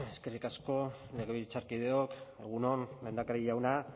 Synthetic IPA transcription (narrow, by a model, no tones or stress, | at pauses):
eske̞rikasko̞leɣeβiɾit͡saɾkið̞eoke̞ɣ̞uno̞nle̞nd̪akaɾiʝawna